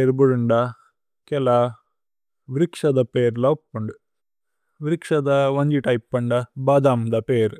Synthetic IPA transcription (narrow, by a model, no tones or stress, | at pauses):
eɾbuɾuɳɖɐ | kɛla | ʋɾikʂɐd̪ɐpeːɾlɐpːuɳɖu | ʋiɾikʂɐd̪ɐʋɐɲd͡ʒiʈɐjpːɐɳɖɐbaːd̪aːmd̪ɐpeːɾ